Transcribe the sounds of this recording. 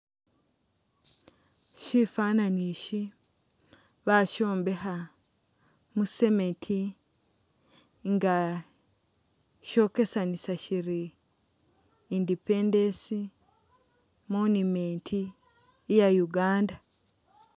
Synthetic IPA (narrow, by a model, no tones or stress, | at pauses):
ʃifananiʃi | βaʃo̞ːmbe̞ɦa | muse̞mentʰi | ŋɡa | ʃo̞ːke̞sanisaʃiɾi | ndipendensi | monumentʰiː | jajuɡaːnda